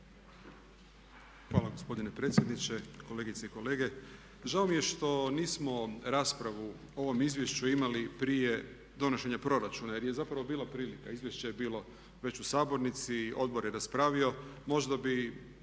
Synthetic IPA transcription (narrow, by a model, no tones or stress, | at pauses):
xʋaːlˠaɡo̞spo̞d̪ine̞pɾe̞t̪sʲje̞d̪nit͡ɕe̞ko̞le̞ɡit̪seiko̞le̞ːɡe̞ | ʒaomije̞ʃt̪o̞niːsmo̞ɾaːspɾaʋu | o̞ʋo̞mizʋje̞ʃt͡ɕuimalipɾije̞ | d̪o̞noʃe̞ɲapɾo̞ɾat͡ʃunaje̞ɾje̞zapɾaʋo̞biːlˠapɾiːlikaizʋje̞ʃt͡ɕajebiːlˠo̞ | ʋe̞t͡ɕusaːbo̞ɾnit̪siʔo̞d̪̚bo̞ɾjeɾaspɾaːʋio̞mo̞ʒd̪abi